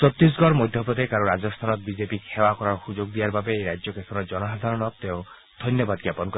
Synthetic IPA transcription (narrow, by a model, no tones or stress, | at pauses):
t͡ʃɔt̪ɾis̬ɡɔɾmɔjd̪ʱjɔpɔt̪ekaɾɔɾad͡ʒɔst̪ʰanɔt̪bid͡ʒepiewakɔɾaɾɔhud͡ʒoɡd̪ijaɾbabeːɾajd͡ʒjɔkesɔɾɔd͡ʒɔnɔsad̪ʱaɾɔnɔk̚t̪eõ | d̪̥ʱɔnjɔbad̪̚ɡjapɔnkɔ